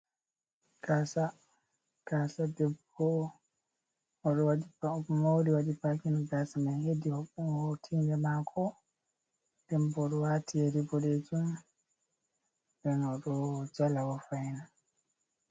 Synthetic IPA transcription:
ɡ̥asa | ɡ̥asadɛb | ɔ | ɔɗɔwaɗiɔmawɾiwaɗipakinɡasamahedihɔhotʰindɛmakʰɔ | d̥ɛmbɔɗɔwaːtʰiɛɾibɔɾed͡ʒum | bɛnɔɗɔd͡ʒalawɔfajna

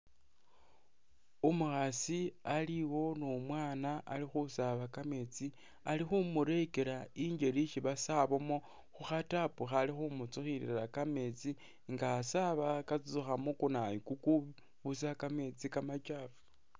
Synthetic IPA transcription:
umuxasialiwo̞nomwaːnaa̰lixusaβakame̞t͡si | alixumuɾe̞ke̞ɾaiɲɟe̞ɾiʃiβasaβomo̞ | xuxatapuxalixumut͡suxiɾḭiɾakame̞t͡si | ŋɡaːsaβakat͡sut͡suxamokunajikuku | βusakame̞t͡sikamat͡ʃaːfu̥

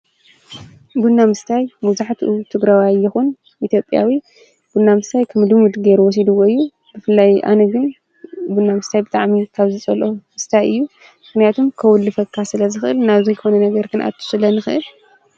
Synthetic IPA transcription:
bunːamɨst̪ʰajmɐβzaħt̪ʰiʔut̪ʰɨɡɾawajːɪxun | ʔit̪ʰjo̞pʼja̰wi | b̥unːamɨst̪ʰajkʰɐmɨd̪ɨmud̪ɡeɾuwɔs̬id̪ɨwoɨjːu | b̥ɨfɨlːajʔa̰nɐɡɨn | bunːamɨst̪ʰajbɨt̪ʼaʕmikʰaβzɨt͡sʼɐlʔomɨst̪ʰajɨjːu | mɨxnijat̪ʰumkʰɐwʊlːɨfɐkʰːasɨlɐzɨxʔɨlnaβzujɨxonɐnɐɡɐɾkɨna̰t̪ʰːu̥sɨlɐnɨxɨʔɨl

